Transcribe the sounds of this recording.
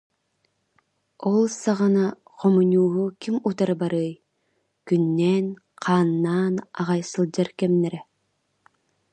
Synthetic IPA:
ɔlˠsaʁana | qɔmuɲʲuːɦukimut̪aɾɯbaɾɯːj | kynːɛːn | qʰaːnːaːna̰ʁajsɯlˠd͡ʑaɾkɛmnɛɾɛ

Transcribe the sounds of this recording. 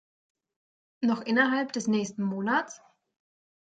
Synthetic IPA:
nɔχʔɪnɐɦalpd̥ɛsnɛːçstn̩moːnat͡s

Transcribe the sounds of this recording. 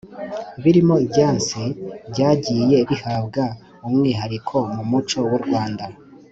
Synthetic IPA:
βiɾimo̞ibɟaːnsibɟaːɟiːje̞βihaːbɡa | umŋiːɦaɾikʰo̞mumut͡ʃo̞wuɾɡwaːnda

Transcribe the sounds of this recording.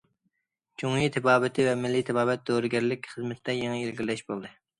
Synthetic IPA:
t͡ʃʰoŋjit̪ʰɪbɑːbɪt̪ʰɪvɛmɪlːit̪ʰɪbɑːbɛt̪̚d̪oɾɪɡʲɛɾlɪkʲχəzmɪt̪d̪ɛjɑŋɨilɡʲilɛʃbolˠd̪ɨ

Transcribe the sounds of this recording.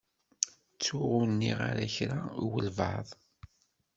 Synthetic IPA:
t͡sːʊʁunːiʁa̰ɾæçɾawəlvɑ̰ðˤ

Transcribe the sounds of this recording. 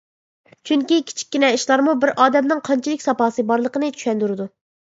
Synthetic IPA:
t͡ʃʰyŋkʲikʲʰi̥t͡ʃʰi̥k̚ʲːinɛiʃlˠɑɾmubɪɾʔɑːd̪ɛmnɪŋqʰɑnt͡ʃʰilɪkʲsɑpɑːsɨbɑɾlˠəqənɨt͡ʃʰy̥ʃʲɛnd̪yɾɨd̪u

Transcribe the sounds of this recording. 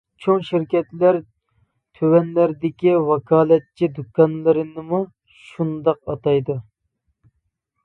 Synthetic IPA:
t͡ʃʰoŋʃiɾkʲɛt̪læɾ | t̪ʰøwɛnlæɾd̪ɪkʲiwɑkʰɑːlɛt̪̚t͡ʃʰːid̪ukʰɑnlˠɨɾɨnɨmu | ʃund̪ɑqɑ̰t̪ɑjd̪u

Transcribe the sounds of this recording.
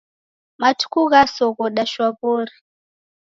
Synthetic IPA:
matu̥kuɣasɔɣɔɗaʃwaβoɾi

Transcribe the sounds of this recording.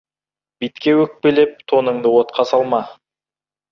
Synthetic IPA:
b̥it̪kʲewɵk̚pele̞p̚t̪ʰo̞nəɴd̪əwot̪qʰɑsɑlˠmɑ

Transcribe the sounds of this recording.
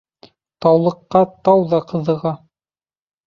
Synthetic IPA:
t̪ɑwlˠɤ̆qːɑt̪ɑwðɑqɤ̆ðɤ̆ʁɑ

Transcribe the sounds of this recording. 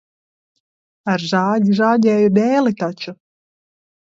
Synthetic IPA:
aɾʒaːɟʲiʒaːɟʲɛːjud̪ʲɛːlit̪at͡ʃu

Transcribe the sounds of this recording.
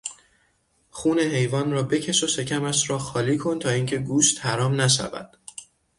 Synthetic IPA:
xuːne̞ɦe̞jvɒːnrɒːbe̞cʰe̞ʃo̞ʃe̞cʰæmæʃɾɒːxɒːliːkʰo̞nt̪ʰɒːiːŋcʰe̞ɡuːʃt̪hæɾɒːmnæʃ̬æ̰væ̰d̪̥

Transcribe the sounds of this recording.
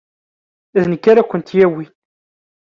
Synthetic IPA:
ðnəkːaɾakʷːənt̪jæwi

